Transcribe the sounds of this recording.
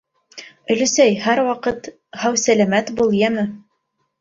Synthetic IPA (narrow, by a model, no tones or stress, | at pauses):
ɵ̆lɘ̆sæjhæɾwɑqɤt̪ | hæwsælæmæt̪bulˠjæmɘ